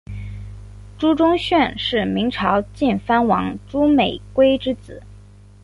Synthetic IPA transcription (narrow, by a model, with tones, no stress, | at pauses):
ʈ͡ʂu˥ʈ͡ʂʊ˥ŋɕɥɛ˥˧nʂɻ̩˥˩mi˧˥ŋʈ͡ʂʰɑ˧˥ʊt͡ɕi˥˩nfa˥nwɑ˧˥ŋʈ͡ʂu˥me˨˩ɪkwe˥ɪʈ͡ʂɻ̩˥t͡sɹ̩˨˩˦